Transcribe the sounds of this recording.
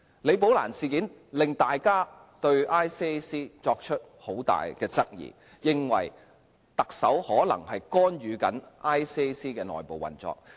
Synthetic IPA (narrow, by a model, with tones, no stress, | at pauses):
le˨˧jp̬o˨˥wla̰ː˨˩nsiː˨kiː˨˥nlɪ˨ŋt̪aː˨jkaː˥ | t̪ɵ˧ɥaː˥jsiː˥e˥siː˥t͡sɔː˧k̚t͡ʃʰɵ˥t̚ho˨˥wt̪a̰ː˨jkɛː˧t͡sɐ˥k̚jḭː˨˩ | jɪ˨ŋwɐ̰˨˩j | t̪ɐ˨k̚sɐ˨˥whɔː˨˥lɐ̰˨˩ŋhɐ˨jkɔː˥nɥyː˨˧kɐ˨˥nʔaː˥jsiː˥e˥siː˥kɛː˧nɔ̰ː˨˩jpo˨wɐ̰˨nt͡sɔ̰ː˧k̚